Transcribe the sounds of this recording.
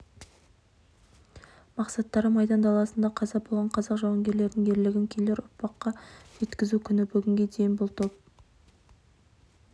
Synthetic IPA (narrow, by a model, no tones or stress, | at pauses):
mɑqsɑt̪ːɑɾəmɑjd̪ɑnd̪ɑlˠɑsənd̪ɑqʰɑzɑbolˠʁɑɴqʰɑzɑqʒɑwɑŋɡʲe̞ɾle̞ɾd̪ɪŋʰe̞ɾlɪɡʲɪŋkʲʰe̞le̞ɾʊ̰ɾpɑqːɑʒ̥e̞t̪kʲɪzukʲʰʏnɪbʏɡʲɪŋɡʲe̞d̪e̞jɪnbʊlˠt̪ʰo̞p̚